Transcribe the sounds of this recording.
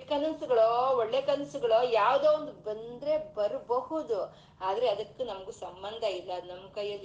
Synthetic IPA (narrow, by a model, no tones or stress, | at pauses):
kɐnɐnsuɡɐɭooɭːe̞ːkɐnɐsuɡɐɭojaːʋd̪oːʋond̪ubɐnd̪ɾe̞bɐɾbɐhud̪u | aːd̪ɐɾe̞ɐd̪ɐkːunɐmɐɡuːsɐmbɐnd̪ʱɐilːɐːd̪nɐmːɐkɐjːɐlːi